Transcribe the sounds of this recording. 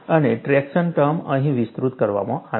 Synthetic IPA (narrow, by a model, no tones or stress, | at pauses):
əneʈɾɛkʃənʈəmə̃ɦĩʋist̪ɾut̪kəɾʋa̰mɔ̃ʔa